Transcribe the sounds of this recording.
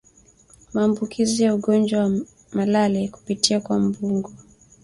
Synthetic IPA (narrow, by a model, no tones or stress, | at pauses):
maːmbukʰizijauɡɔnd͡ʒwawa | malalɛku̥pitiakwambuŋɡɔ